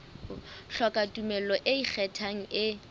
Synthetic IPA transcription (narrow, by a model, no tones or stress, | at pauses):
ɬɔkʼatʼumɛlɔʔɪik͡xʰɛtʰaŋ̩ɪ